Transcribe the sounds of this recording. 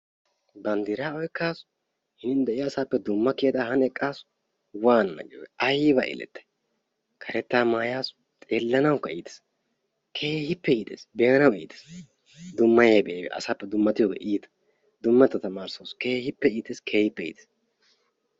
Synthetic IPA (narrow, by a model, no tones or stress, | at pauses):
bɐnd̪ɪɾaːɔjkːaːs | hɪnɪnd̪ɛʔɪjaːsaːpːɛd̪ʊmːɐkeːd̪aːhɐnɛkʼːaːs | waːnnɐ̰ɡɪjo̰ɡʔɐjbɐ̰ʔɛ̰lɛ̰t̪ːɐ̥j | kʰɐɾɛt̪ːaːmaːjaːs | t̪ʼeːlːɐnɐwkːɐiːt̪e̥s | kʰeːhɪpːɛiːt̪ḛːsbeːɐnɐwḭːt̪e̥s | d̪ʊmːɐjeːbɛʔeːbɛ̰ʔɐ̰saːpːɛd̪ʊmːɐt̪ɪjoɡḛʔiːt̪ɐ̥ | d̪ʊmːɐt̪ːɐt̪ɐmaːɾsɐske̞ːhɪpːɛiːt̪eːskʰeːhɪpːɛḭːt̪eːs